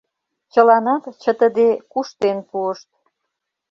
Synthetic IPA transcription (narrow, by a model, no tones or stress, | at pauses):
t͡ɕə̆lɑnɑt̪t͡ɕə̆t̪əd̪ekuʃt̪enpuəʃt̪̚